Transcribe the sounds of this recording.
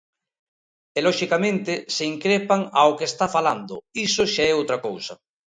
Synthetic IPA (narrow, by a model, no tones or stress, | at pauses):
elɔʃikamẽnt̪eseiŋkɾepaŋaokest̪afaland̪o̰isoʃaɛowt̪ɾakowsa